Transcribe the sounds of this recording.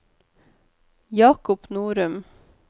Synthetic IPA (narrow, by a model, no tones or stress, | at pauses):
jɑːkʊpnuːɾʉm